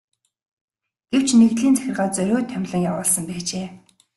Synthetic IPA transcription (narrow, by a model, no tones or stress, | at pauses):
ɡ̥ew̥t͡ɕneɣt̪ɮiːnt͡sæ̥xʲɪ̆rʁaːt͡sœɾʲoːt̪ʰːœmʲɮə̆ŋjawʊːɮsə̆mpæːt͡ɕeː